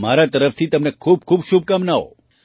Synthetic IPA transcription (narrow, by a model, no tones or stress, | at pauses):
maɾat̪əɾəft̪ʰit̪əmnekʰub̚kʰubʃub̚kamnao̰